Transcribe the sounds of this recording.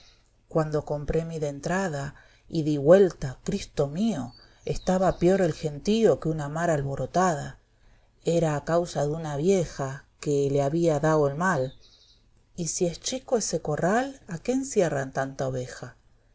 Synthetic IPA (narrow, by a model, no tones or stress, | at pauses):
kwand̪o̞ko̞mpɾemiðent̪ɾaða | iðiβwe̞lt̪akɾist̪o̞mio̞ | est̪aβapjo̞ɾelxe̞nt̪iokeunamaɾalβo̞ɾo̞t̪aða | eɾaːkawsaðunaβjexakeleaβiaðaoelmal | isiest͡ʃikoeseko̞ralakensjerant̪ant̪aoβexa